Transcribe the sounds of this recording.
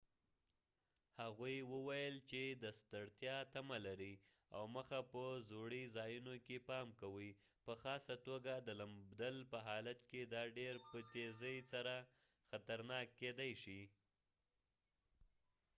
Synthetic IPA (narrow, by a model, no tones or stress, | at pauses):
haɣujwəwajəlt͡ʃed̪əst̪əɽt̪jɑt̪amalaɾi | a̰wməxapəzoɽizɑjunokepɑmkawi | pəxɑsat̪oɡad̪əlambd̪alpəɦɑlat̪ked̪ɑɖeɾpət̪ezəjsaɾa | xat̪aɾnɑkːed̪ajʃi